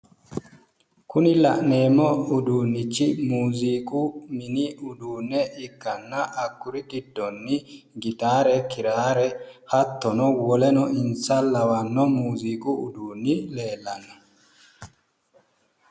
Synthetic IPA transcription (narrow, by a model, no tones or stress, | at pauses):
kʊnɪlɐʔneːmːɔʊd̪uːnːɪt͡ʃːɪmuːzikumɪniʊd̪uːnːɛɪkːɐnːɐʔːkːʊɾɪɡɪd̪ːɔnːi | ɡɪt̪aːɾɛkɪɾaːɾɛhɐt̪ːɔnɔwɔlɛnɔʔɪnsɐlɐwɐnːɔmuːzikuʊ̰d̪uːnːɪleːlːɐnːɔ̥